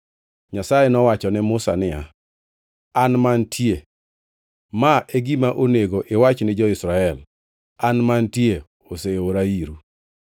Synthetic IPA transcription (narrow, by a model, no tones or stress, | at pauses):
ɲasajenɔwat͡ʃɔnɛmʊsa̰nɪja | anmantʰje | maʔeɡimaʔoneɡoʔɪwat͡ʃnɪd͡ʒɔɪsɾaɛl | anmantje | oseoɾaiɾu